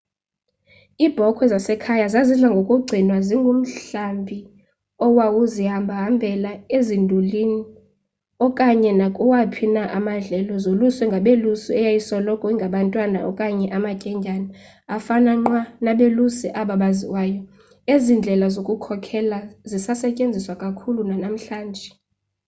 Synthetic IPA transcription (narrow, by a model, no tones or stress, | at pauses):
ib̥ʱɔkʰwɛzasɛkʰajazaziɮaŋɡʱokʼuɡ͡ǀʱinwaziŋɡʱum̩ɬambʱi | ɔwawuzihambʱaɦambʱɛlaezindʱulini | ɔkʼaɲɛnakʼuwapʰinaʔamand͡ɮʱɛlɔzoluswɛŋɡʱaɓelusiɛjajisɔlɔkʼɔiŋɡʱaɓantʼwana̰ʔɔ̰kʼaɲɛʔamacʼɛɲʱana | afanaŋ͡ǃwanaɓelusiʔaɓaɓaziwaːjɔ | ezind͡ɮʱɛlazokʼukʰɔkʰɛlazisasɛcʼend͡zʱiswakʼakʰulunanam̩ɬaːnd͡ʒʱɛ